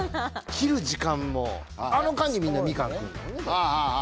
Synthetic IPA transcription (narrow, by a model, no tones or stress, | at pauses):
kʲiɾɯ̟d͡ʑikãmːo̰ | ano̞kãɲʲimʲĩnːamʲikãŋkɯ̟̃nesnahaa